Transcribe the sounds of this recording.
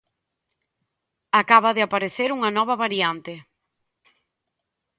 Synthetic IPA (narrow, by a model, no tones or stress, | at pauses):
akaβɐðɪapaɾeθeɾuŋanɔβ̞ɐβaɾiant̪e